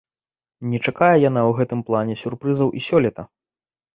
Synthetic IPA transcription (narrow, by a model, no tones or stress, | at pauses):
nʲɛt͡ʂakajɛjan̪awɣɛt̪ɨmplˠanʲɛsʲurpɾɨzɐwʔisʲɔlʲɛt̪ɐ